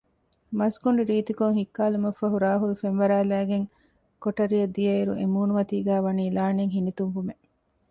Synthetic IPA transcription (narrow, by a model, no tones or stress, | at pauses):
mɐskuɳɖiɾiːt̪ikoŋhikːaːlumɐfːɐɦuɾaːɦulufenʋɐɾæːlæːɡeŋ | koʈɐɾiɐd̪ijɐiɾṵʔemuːnumɐt̪iːɡæːʋɐniːlaːneŋɦinit̪umʋume